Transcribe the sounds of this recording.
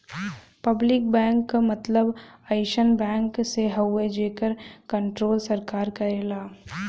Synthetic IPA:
pɐblɪkbɛ̃ːŋkːamɐt̪ləbaɪʃənbɛ̃ːŋkseɦɐwːed͡ʒeːkəɾkə̃ɳʈɾoːlsɐɾkaːɾkɐɾeːlaː

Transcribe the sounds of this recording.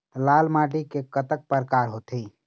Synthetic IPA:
laːlmaːʈikekət̪ək̚pəɾkaːɾɦot̪ʰiː

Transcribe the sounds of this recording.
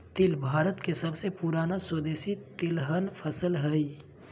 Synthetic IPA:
t̪ɪlbʱaːɾət̪kesəbsepuɾaːnaswəd̪eːsit̪ɪlɦənpʰəsəlɦəi

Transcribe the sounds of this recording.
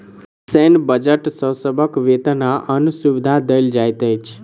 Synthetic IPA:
sɛnbəd͡ʒəʈsəwsəbʱəkʋet̪ənaʔənusuʋid̪ʱad̪əjld͡ʒajt̪əjt͡ʃʰ

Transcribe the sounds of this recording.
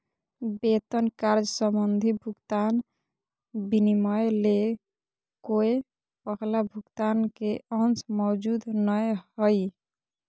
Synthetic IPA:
bet̪ənkaɾd͡ʒsəmənd̪ʱibʱukt̪an | binimɔjle | koe | pəɦʰlabʱukt̪ankeʌnt͡ʃmɔd͡ʒud̪nəjɦɔj

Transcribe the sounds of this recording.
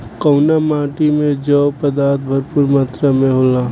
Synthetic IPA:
kɔʊnamãːʈimẽd͡ʒɔːpɐd̪aːɾt̪̚bʱɐɾpuɾmaːt̪ɾamẽɦoːlaː

